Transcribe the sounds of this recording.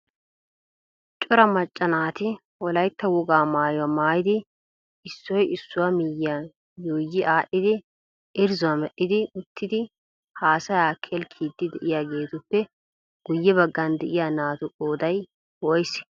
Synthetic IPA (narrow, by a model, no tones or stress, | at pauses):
t͡ʃʼɔɾɐmɐt͡ʃʼːɐnaːt̪ɪ | wɔlɐjt̪ːɐwʊɡaːmaːjʊwɐmaːjɪd̪ɪ | ɪsːɔjɪsːʊwamɪja | joːjːɪʔaːʔːɪd̪ɪ | ʔɪɾzʊɐmɛʔːɪd̪ɪʊt̪ːɪd̪ɪ | haːsɐjaːkʰɛlkʰiːd̪ːɪd̪ɛʔɪjaːɡeːt̪ʊpːɛ | ɡ̥ʊjːɛbɐɡːɐnd̪ɛʔɪjanaːt̪ʊʔoːd̪ɐj | wɔjs